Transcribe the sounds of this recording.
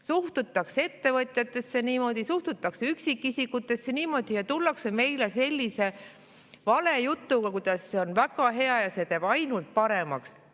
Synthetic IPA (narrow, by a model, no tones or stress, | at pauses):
suht̪ut̪ːˑɑkse̞t̪ːe̞vɤt̪ˑjɑt̪ːˑe̞sːe̞niːmo̞d̪̥isuht̪ut̪ːˑɑksyksikːˑisikːut̪ːˑe̞sːe̞niːmo̞d̪̥ijɑt̪ulːɑkseme̞jle̞se̞lʲːise̞ | vɑle̞jut̪ːuɡɑkud̪̥ɑsːe̞o̞nvæɡ̥ɑɦe̞ɑjɑse̞ːt̪eːb̥ɑjnult̪̚pɑɾe̞mɑks